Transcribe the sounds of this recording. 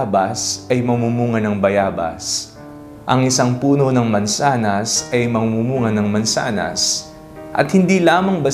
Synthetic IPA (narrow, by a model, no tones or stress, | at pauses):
bɐsʔɐjmɐmumuːŋɐnɐŋbɐjaːbɐ̰s | ʔɐŋɪsɐŋpuːno̞nɐŋmɐnsaːnɐsɐjmɐmumuːŋɐnɐŋmɐnsa̰ːnɐ̰s | ʔɐ̰t̪̚hɪnd̪iːlaːmɐŋbɐ